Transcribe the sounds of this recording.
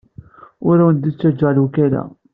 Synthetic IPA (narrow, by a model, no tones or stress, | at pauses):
ʊɾawənd̪it͡sːæd͡ʒːælukælæ̰